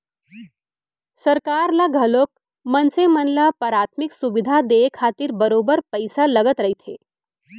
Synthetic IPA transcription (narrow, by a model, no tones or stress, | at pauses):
səɾkaːɾlaɡʱəloːk̚ | mənsemənlapəɾat̪ʰmiksuʋid̪ʱad̪ekʰat̪iɾbəɾoːbəɾpəjsaləɡət̪ɾəɦit̪ʰe